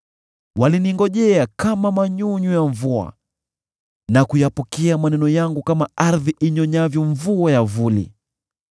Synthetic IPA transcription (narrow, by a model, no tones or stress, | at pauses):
waliniŋɡɔʄɛakamamaɲuɲujaɱvua̰ | nakujapɔkɛamanɛnɔjaŋɡukamaaɾðiʔiɲɔɲavjɔɱvuajavulḭ